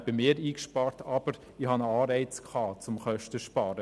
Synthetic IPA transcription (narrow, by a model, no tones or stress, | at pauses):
b̥əmeːɾiːkʃpɑːrtʰɑb̥əɾ | ihɑnɑːɾɛɪt͡skʰχɑːt͡sʊmχœʃtəʃpɑːɾə